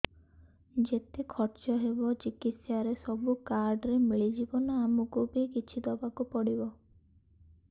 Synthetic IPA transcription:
d͡ʒet̪ekʰɔɾt͡ʃɔɦebɔt͡ʃikit̪sjaɾesɔbukaɾɖɾemiɭid͡ʒibɔnɔamukubikit͡ʃʰid̪ɔbakupɔɽibɔ

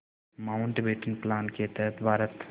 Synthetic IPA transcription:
maːʊɳʈbeːʈɪŋplaːnket̪ɛɦət̪bʱaːɾət̪

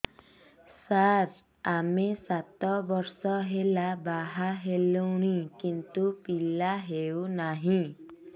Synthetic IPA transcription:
saɾ | amesat̪ɔbɔɾsɔɦelabaɦaɦelownikint̪upilaɦewnaɦĩ

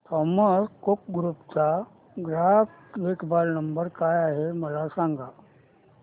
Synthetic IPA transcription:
t̪ʰɔmaskok̚ɡɾupt͡sa | ɡɾaf | ʋekbalnəmbəɾkajaɦeməlasãŋɡʱa

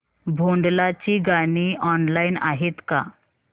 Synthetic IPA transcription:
bʱoɳɖlat͡ɕiɡaɽ̃iɔnlainaɦet̪ka̰

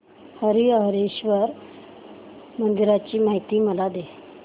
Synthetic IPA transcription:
həɾiəɦəɾeɕʋəɾ | mənd̪iɾat͡ɕiːmaɦit̪iːməlad̪e

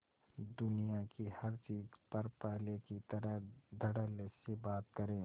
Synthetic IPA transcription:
d̪ʊnijakihɐɾt͡ʃiːzpɐɾpɛɦlekit̪ɐɾəɦd̪ʱɐɽəlesebaːt̪̚kɐɾẽː

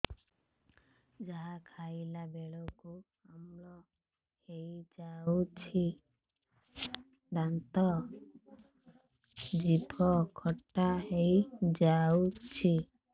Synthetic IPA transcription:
d͡ʒaɦakʰailabeɭɔku | amlɔ | hejd͡ʒaut͡ʃʰi | d̪ant̪ɔ | d͡ʒibʰʱɔkʰɔʈːaɦejd͡ʒaut͡ʃʰi

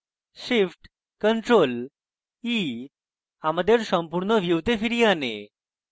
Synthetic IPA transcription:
ɕifʈ | kəɳʈɾol | i | haməd̪ʱːjeɾsəmpuɾɳəʋjiwt̪efiɾijane

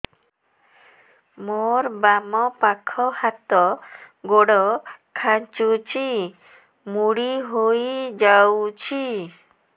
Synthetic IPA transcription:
moɾbamɔpakʰɔhat̪ɔɡoɽɔkʰat͡ʃut͡ʃʰi | muɽiɦojd͡ʒawt͡ʃʰi

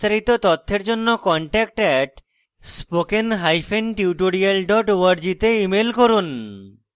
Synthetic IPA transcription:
t̪ʰaɾit̪ot̪ɔt̪ʰːeɾd͡ʑonːokɔɳʈɛk̚ʈɛʈ | spokenɦajfʰenʈiuʈoɽialɖɔʈoaɾd͡ʑit̪eimelkoɾun

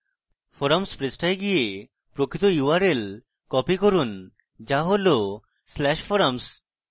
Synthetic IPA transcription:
fʰoɾamspɾesʈajɡije | pɾokit̪ojuaɾel | kɔpikoɾun | d͡ʑaɦolo | slɛʃfoɾams

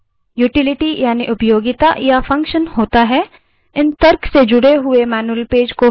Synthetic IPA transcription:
juːʈɪlɪʈijaːniʔʊpjoːɡɪt̪ajafɐ̃ŋkʃənhoːt̪aɦɛ | ɪnt̪ɐɾksed͡ʒʊɽeɦʊemɛːnuəlpeːd͡ʒko

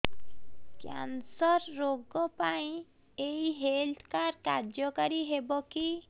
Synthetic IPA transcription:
kja̰nsɔɾːoɡɔpaĩ | ejɦelt̪ʰkaɾkaɾd͡ʒɔkaɾiɦebɔki

